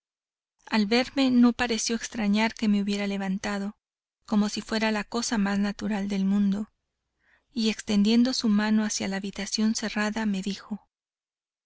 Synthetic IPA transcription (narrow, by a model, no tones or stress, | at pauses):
alβe̞ɾme̞no̞paɾe̞sjo̞ekst̪ɾaɲaɾke̞me̞uβje̞ɾale̞βant̪að̞o̞ | ko̞mo̞sifwe̞ɾalako̞samaznat̪uɾald̪e̞lmũnd̪o̞ | ie̞kst̪e̞nd̪je̞nd̪o̞sumãno̞asjalaːβit̪asjo̞nse̞raðame̞ðixo̞